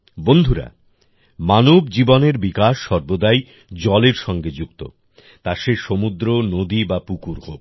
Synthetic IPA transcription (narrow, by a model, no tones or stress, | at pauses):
bond̪ʱuɾa̰ | manobd͡ʑiboneɾbikaʃːɔɾbod̪aj | d͡ʑɔleɾʃɔŋɡed͡ʑukt̪o̰ | t̪aʃeʃomud̪ɾonod̪ibapukuɾɦo̰b